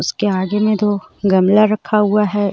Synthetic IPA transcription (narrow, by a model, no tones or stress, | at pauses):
ʊskeaːɡemẽt̪oɡɐmlaɾɐkʰaɦuaɦɛ